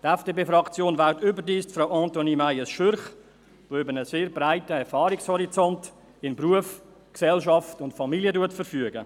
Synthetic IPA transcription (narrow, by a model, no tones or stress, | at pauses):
tɛfd̥eːpeːfɾɑkt͡sjoːnvaltʏbədiːstfɾaʊʔɑ̃ːntonimajəsʃøɾχ | voːʏbəɾnəseːɾbɾaɪtəɛɾfɑːɾikshɔɾit͡sɔnt | ɪnbɾuəf | ksɛlʃɑftʊntfɑmiljətuətfəɾfyəɡə